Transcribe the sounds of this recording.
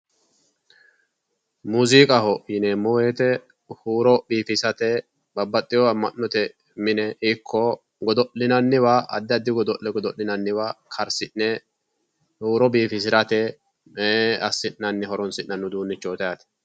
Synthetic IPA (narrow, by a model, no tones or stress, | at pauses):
muːziːkʼɐhɔʔɪneːmːɔweːt̪ɛ | huːɾɔbiːfɪsɐt̪ɛ | bɐbːɐt̪ʼːɪjɔɐmːɐnːɔt̪ɛ | mɪnɛɪkʰːɔ | ɡɔd̪ɔʔɪnɐnːɪwaːʔɐ̰d̪ːɐd̪ːɪɡɔd̪ɔʔɛɡɔd̪ɔʔlːɪnɐnːɪwaːkʰɐɾsɪnːɛ | huːɾɔbiːfɪs̬ɪɾɐt̪ɛ | ɐsːɪnːɐnːɪɦɔɾɔnsɪnnɐnːʊd̪uːnːɪt͡ʃːoːt̪ɐjɐt̪ɛ̥